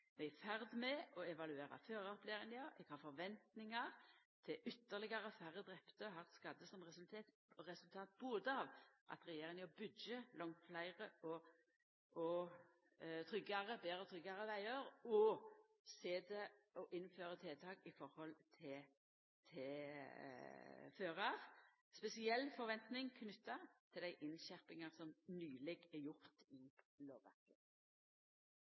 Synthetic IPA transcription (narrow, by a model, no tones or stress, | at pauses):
mɛɡæfæʁd̪mɛʔɔɛʋɑlʉeːɾɑ̰føːɾɑpleːɾɪŋəɑɛ̰ɡ̥hɑːɾfɔɾʋɛnt̪nɪŋɑʁt̪ʰɪlʔʏt̪ːəʁlɪɡɑɾəfæɾːəd̪ʁɛpt̪əɔɦɑʁt̪skɑd̪əsɔmʁɛsʉlt̪ʰeːt̪ | ɔʁɛsʉlt̪ʰɑːt̪̚buːd̪əɑʋʔɑ̰t̪ɾɛjeːɾɪŋəɔbʏd̪jəlɔŋt̪flæɪʁəɔ | ʔɔ | t̪ʰɾʏɡːɑʁəbeːɾɔt̪ʰɾʏɡɑɾəʋæɪəɾɔ | seːd̪ɛɔʔɪnføːʁət̪ʰeːt̪ʰɑːkɪfɔʁhɔlt̪ʰɪ | t̪ʰɛ | føːʁɑʁ | spɛsɪɛlːfɔɾʋɛnt̪nɪŋkʰnʏt̪ːɑt̪ʰɪld̪æɪʔɪnʃæʁpɪŋɑʁsɔmnyːlɛɡɛjʊʁt̪ɪ | loːʋʋæ̰ʁkə